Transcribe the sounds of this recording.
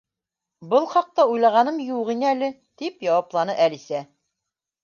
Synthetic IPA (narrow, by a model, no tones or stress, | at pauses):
bɤlˠχɑq̚t̪ɑujlˠɑʁɑnɤmjuʁinælɘ | t̪ipjɑwɑplˠɑnɤʔælisæ